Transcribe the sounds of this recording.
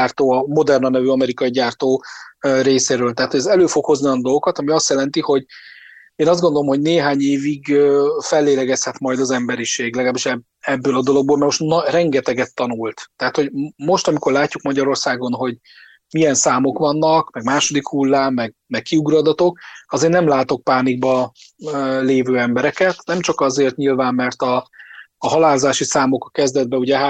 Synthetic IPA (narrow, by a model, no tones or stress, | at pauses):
aːrt̪oːɒmo̞d̪ɛrnɒnɛvyɒmɛɾikɒiɟaːrt̪oːreːseːɾøːlt̪ɛɦat̪hoɛzɛløːfo̞kho̞znijɒnd̪o̞lɡo̞kɒt̪ɒmiɒst̪jɛlɛnt̪iho̞ɟ | eːnɒzd̪ɡond̪olomho̞ɟneːɦaːɲeːviɡøfɛlːeːlɛɡɛshɛt̪mɒjd̪ɒzɛmbɛɾiʃeːɡlɛɡɒlaːbiʃɛ | ɛbːøːlɒd̪o̞lo̞ɡ̚boːlmɛɾmo̞ʃt̪nɒrɛŋɡɛt̪ɛɡɛt̪ːɒnult̪t̪ɛɦat̪ho̞ɟmo̞ʃt̪ɒmiko̞rlaːcːukmɒɟɒɾo̞rsaːɡo̞nɦo̞ɟ | miɛnsaːmo̞kʋɒnːɒkmɛɡmaːʃo̞d̪ikhulːaːmːɛɡ | mɛkkːiuɡrɒd̪ɒt̪o̞k̚ɒzeːrnɛmlaːt̪o̞k̚paːniɡ̚bɒ | leːvøːɛmbɛɾɛkɛt̪nɛmt͡ʃɒkɒzeːrt̪ɲilvaːmːɛrt̪ɒː | ɦɒlaːlzaːʃisaːmo̞kɒkɛzd̪ɛd̪̚bɛuɟɛɦa